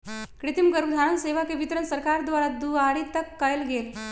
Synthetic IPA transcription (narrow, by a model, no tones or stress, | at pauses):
kɾit̪imɡəɾbd̪ʱãənseʋakeʋit̪ɾənsəɾkaɾd̪ʋaɭad̪uaɽit̪əkːajlɡel